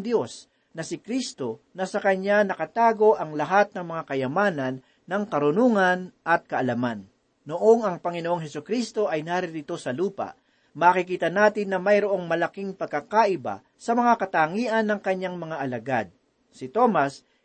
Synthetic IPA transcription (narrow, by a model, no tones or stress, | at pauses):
d̪jo̞s | nɐsɪkɾist̪o̞nɐsɐkɐɲːanɐkɐt̪aːɡo̞ʔɐŋlɐɦat̪̚nɐŋmɐŋakɐjɐmaːnɐnː | ɐŋkɐɾʊnuŋɐnʔɐt̪̚kɐʔɐlɐmanː | oʔo̞ŋɐŋpɐŋɪnoʔoŋɦɛsʊkɾist̪o̞ʔɐjnaːɾɪɾɪt̪o̞sɐluːpa̰ | maːkɪkiːt̪ɐnaːt̪ɪnːɐmɐjɾoʔo̞ŋmɐlɐkiŋpɐɡ̚kːakaʔɪba̰ | sɐmɐŋakɐt̪aːŋiːʔɐnːɐŋkɐɲːaŋmɐŋaʔɐlɐɡa̰d̪̚ | sɪt̪o̞mas